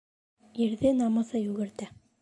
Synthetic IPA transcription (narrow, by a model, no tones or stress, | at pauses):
iɾðɘnɑmɤ̆θɤjʉɡɘ̆ɾt̪æ